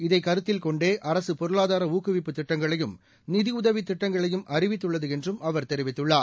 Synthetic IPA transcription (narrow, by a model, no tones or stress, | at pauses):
ɪðɐɪkɐɾɯt̪ːɪlkɔɳɖeːʔɐɾɐsɯpɔɾɯɭaːðaːɾɐuːkːɯʋɪpːɯt̪ːɪʈːɐŋɡɐɭɐjɯm | nɪðɪʊðɐʋit̪ːɪʈːɐŋɡɐɭɐjɯmʔɐrɪʋɪt̪ːɯɭːɐðɯɛndrɯmʔɐʋɐɾt̪ɛɾɪʋɪt̪ːɯɭːaː